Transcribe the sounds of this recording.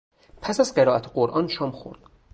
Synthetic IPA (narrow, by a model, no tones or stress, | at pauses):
pʰæsæzɢeɾɒːæt̪ʰeɢoɾʔɒːnʃɒːmxo̰ɾd̪̥